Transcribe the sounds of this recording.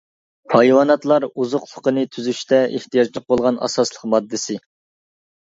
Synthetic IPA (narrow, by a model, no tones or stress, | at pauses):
pʰɑjwɑnɑt̪lˠɑɾuzʊqlˠʊqənɨt̪ʰyzyʃt̪ɛʔeht̪ijɑd͡ʒlˠəq̚bolˠʁɑnɑ̰sɑslˠəqmɑd̪ːɪsɪ